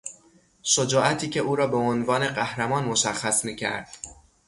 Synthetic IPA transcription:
ʃod͡ʒɒːʔæt̪ʰiːcʰe̞ʔuːɾɒːbeonvɒːne̞ɢæhɾæmɒːnmoʃæxːæsmiːcʰæ̰ɾd̪̥

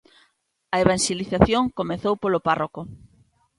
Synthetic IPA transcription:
ɐeβaŋʃeliθaθjoŋkomeθowpoloparoko

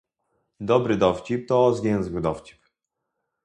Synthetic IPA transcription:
d̪ɔbɾɘd̪ɔft͡ɕip̚t̪ɔzɡʲɛnzɡud̪ɔft͡ɕi̥p

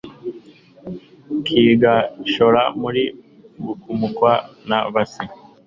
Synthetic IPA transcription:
kʰiːɡaʃoɾamuɾi | ɡukumukwanaβasi

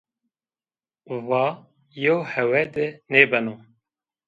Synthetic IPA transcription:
vɑ | johɛwɛd̪ɛneːbɛno

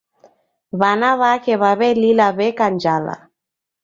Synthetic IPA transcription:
βanaβakɛβaβɛlilaβɛkand͡ʒala̰

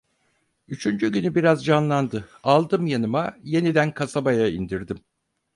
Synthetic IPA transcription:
yt͡ʃʰynd͡ʒyɟynybiɾazd͡ʒanlˠand̪ɯalˠd̪ɯmjanɯmaje̞nid̪ænkʰasabajaḭnd̪iɾd̪im

